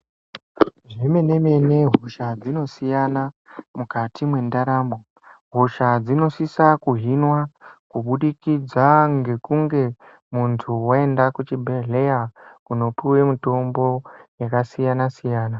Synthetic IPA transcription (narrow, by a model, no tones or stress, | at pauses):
ʐime̞ne̞me̞ne̞ɦoʃad͡zino̞sijanamukatʰimwe̞ndaɾaːmo | ɦoʃad͡zino̞sisakuɦinwakuɓuɗikid͡zaŋɡe̞kuŋɡe̞ | muntʰuwae̞ndakut͡ʃibʱeɮe̞jakuno̞piwe̞mito̞mbo̞jakasijanasijaːna